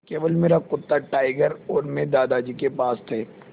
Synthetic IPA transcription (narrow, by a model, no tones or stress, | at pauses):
keːʋəlmeːɾakʊt̪ːaʈaːɪɡəɾɔːɾmẽd̪aːd̪ad͡ʒiːkepaːst̪ʰeː